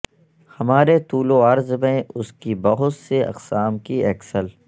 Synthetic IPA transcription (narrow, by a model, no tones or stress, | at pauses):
hɐmaːɾet̪uːloɐɾzmẽʔʊskibɐɦʊt̪seɐ̰qsaːmkiɐksəl